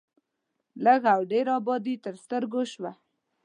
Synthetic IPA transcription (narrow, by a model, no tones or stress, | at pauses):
ləɣawɖeɾɑbɑd̪it̪əɾst̪əɾɡoʃwa